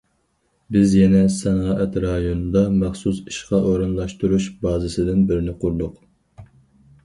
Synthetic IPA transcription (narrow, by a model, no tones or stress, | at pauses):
bɪzjɛnɛsɑnɑːʔɛt̪ɾɑjonɨd̪ɑmæχsusi̥ʃqɑʔoɾɨnlˠɑʃt̪uɾuʃbɑːzɨsɨd̪ɪnbɪɾɪnɪqʰʊɾlˠʊq